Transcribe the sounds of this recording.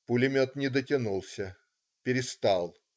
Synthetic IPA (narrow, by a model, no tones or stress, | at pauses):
pʊlʲɪmʲot̪nʲɪd̪ətʲɪnulˠsʲə | pʲɪɾʲɪst̪alˠ